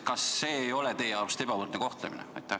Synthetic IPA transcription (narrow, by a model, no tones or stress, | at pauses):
kɑsːe̞ːjo̞let̪e̞jeɑrbmse̥t̪e̞b̥ɑvɤrt̪neko̞ht̪lemḭnḛɑ̰jt̪ˑːæh